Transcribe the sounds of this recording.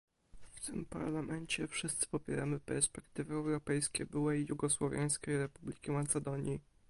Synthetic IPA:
ft̪ɘmpa̰ɾlamʔɛɲt͡ɕɛfʂɘst̪sɘ̥pɔpʲjɛɾamɘpɛɾspɛkt̪ɘvɘɛwɾɔpɛjskʲɛbɘwɛːuɡɔswɔvʲjaj̃skʲejɾɛpublʲikʲimat̪sɛd̪ɔɲji

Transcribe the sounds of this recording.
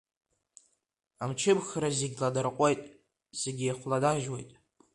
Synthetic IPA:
amt͡ʃʰɪbxɾazeɡʲladarqʷʼojtʼ | ze̞ɡʲijχʷladaʒwejtʼ

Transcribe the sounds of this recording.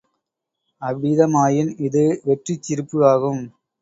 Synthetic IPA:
ɐʋɪðɐmaːjɪnɪðɯʋɛʈrit͡ʃːɪɾɯpːɯʋaːɣɯm

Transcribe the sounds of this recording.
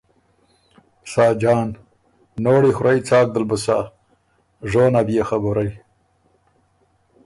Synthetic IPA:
sɑːd͡ʒɑːnː | oːɽixɾajt͡sɑːk̚d̪əlbəsa̰ | ʐoːnabijaxabuɾaj

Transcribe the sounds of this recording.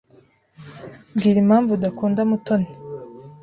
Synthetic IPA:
bɡiːɾimhaːɱvudakuːndamutone

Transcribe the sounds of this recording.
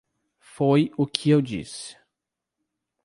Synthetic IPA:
fojʊkʰɪewd͡ʒḭsɪ̥

